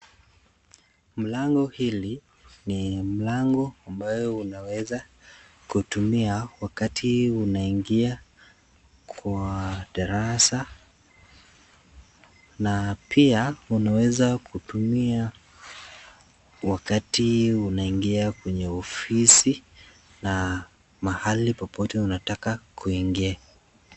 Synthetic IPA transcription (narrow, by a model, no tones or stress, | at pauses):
m̩laŋɡɔhili | nim̩laŋɡɔambajɔunawɛza | kutumiawakatʰiunaiŋɡia | kʰwaɗaɾasa | napʰiaunawɛzakʰutumia | wakatiunaiŋɡiakwɛɲɛɔfisi | na | mahalipɔpʰɔtɛunatakakʰuiŋɡia